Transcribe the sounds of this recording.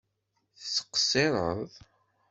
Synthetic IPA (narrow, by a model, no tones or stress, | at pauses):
θsːə̥qsːeɾˤəðˤ